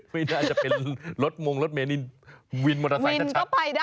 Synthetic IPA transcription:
ma˦˩naː˧˩t͡ɕa˨˩pe˧nlo˦˥t̪̚mo˧ŋlo˦˥t̪̚meː˨˧ni˧nwi˧nmoː˧a˧˩wa˧i˧na˥n˩kaɔː˥˩pa˧jda˥

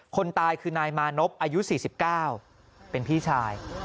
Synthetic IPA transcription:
kʰo˧nt̪aː˧jkʰɯː˧naː˧jmaː˧no˦˥p̚ʔaː˧ju˦˥siː˨˩si˨˩p̚kaː˥˩w | pe˧npʰiː˥˩t͡ɕʰaː˧j

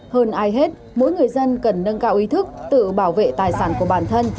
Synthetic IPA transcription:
həː˧nʔaː˨˧jɦe˦˥t̚ | mo̰˧˦jŋɨ˨˩əjzə˧nkə˨˩nːə˧nkaː˧wʔi˨˦t̪ʰɨ˦˥k̚t̪ɨ̰˧˨ɓaː˧˩wvḛ˧˨t̪aː˨˩jsaː˧˩nku˧˩əɓaː˧˩nt̪ʰə˧n

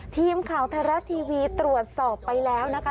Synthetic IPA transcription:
t̪ʰiː˧mkʰa˨˩˦wt̪ʰaː˧ɾa˦˥t̪ʰiː˧wiː˧t̪ɾu˨˩ət̪̚sɔː˨˩pːa˧jlɛː˦˥wna˦˥kʰa˦˥

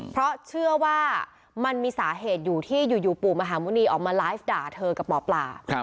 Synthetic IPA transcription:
pʰɾɔ˦˥t͡ɕʰɯ˥˩əwaː˥˩ | ma˧nmiː˧saː˩˦ɦeː˨˩t̪̚juː˨˩t̪ʰiː˥˩juː˨˩juː˨˩puː˨˩k̚ma˧ɦaː˩˦mu˧˥niː˧ʔɔː˨˩k̚maː˧laː˦˥jfdaː˨˩t̪ʰɤː˧ka˨˩p̚mɔː˨˩˦pla̰ː˨˩˧

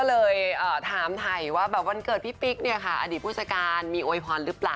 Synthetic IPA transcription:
kɔː˥˩lɤː˧jʔəː˨˩t̪ʰaː˨˩˦mt̪ʰa˨˩jwaː˥˩bɛː˨˩p̚wa˧nkɤː˨˩t̪̚pʰi˦˥pi˦˥k̚ni˥˩ɐka˥˩ʔa̰˧diː˨˩pʰu˥˩sa˧kaː˧nmiː˧ʔoː˧jpʰɔː˧nɾɯ˦˥plaː˨˩w

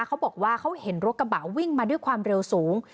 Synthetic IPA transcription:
kʰa˦˥wbɔː˨˩k̚waː˥˩kʰa˦˥whe˩˦nɾo˦˥k̚ka˧ba˨˩wːi˥˩ŋmaː˧du˥˩jkʰwaː˧mɾe˧wsuː˩˦ŋ

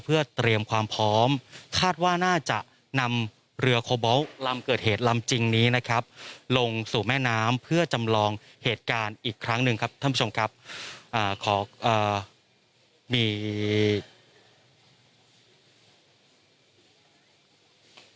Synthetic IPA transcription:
pʰɯ˥˩ɐt̪ɾi˧əmkʰwaː˧mpʰɔː˦˥mkʰaː˥˩t̪̚waː˥˩naː˥˩t͡ɕa˨˩ʔ | na˧m | ɾɯ˧ɐkʰoː˧bɔ˦˥wla˧mkɤː˨˩t̪̚heː˨˩t̪̚la˧mt͡ɕi˧ŋniː˦˥na˦˥kʰa˦˥p̚lo˧ŋsuː˨˩mɛː˥˩naː˦˥mpʰɯ˥˩ɐt͡ɕa˧mlɔː˧ŋ | heː˨˩t̪̚kaː˧nʔiː˨˩kʰɾa˦˥ŋnɯ˧ŋkʰa˦˥p̚t̪ʰa˥˩pʰu˦˥t͡ɕʰo˧mkʰa˦˥p̚ʔaː˨˩kʰɔː˩˦ʔɤː˨˩ | miː˧

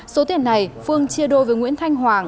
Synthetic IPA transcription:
so˨˦t̪ḭ˧˩ənːa˨˩jfɨ˧əŋt͡ɕi˧əɗo˧jveː˨˩jŋwḭ˧˥ənt̪ʰa˧jŋ̟ɦwaː˨˩ŋ

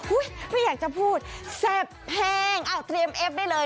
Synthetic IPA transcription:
ʔu˦˥˩jma˥˩jaː˨˩k̚t͡ɕa˧˩pʰuː˥˩t̪̚se˧˩p̚hɛː˧ŋʔa˧˩wt̪ɾi˧əmʔe˦˥p̚da˥˩jlɤː˧

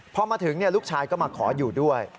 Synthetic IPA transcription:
pʰɔ˧maː˧t̪ʰɯ˩˦ŋni˥˩ɐluː˥˩k̚t͡ɕʰaː˧jkɔː˥˩maː˧kʰɔː˩˦juː˨˩du˥˩əj

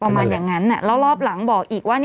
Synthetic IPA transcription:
a˧maː˧njaː˨˩ŋːa˦˥nːa˧˩lɛː˦˥wlɔː˥˩p̚la˩˦ŋbɔː˨˩k̚ʔiː˨˩k̚waː˥˩n

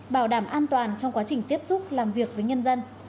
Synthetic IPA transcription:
ɓaː˧˩wɗaː˧˩mʔaː˧nt̪waː˨˩nt͡ɕɔ˧wŋ͡mkwaː˨˦t͡ɕï˨˩ŋ̟t̪i˦˥əp̚sʊ˦˥t̚laː˨˩mvi˨˩ək̚vəː˨˦jɲə˧nzə˧n

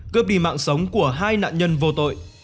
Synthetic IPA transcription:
kɨ˦˥p̚ɗi˧˩ma̰ː˧˨ŋsə˨˦wŋ͡mku˧˩əɦaː˧jna̰ː˧˨nɲə˧nvo˨˩t̪o̰˧˨j

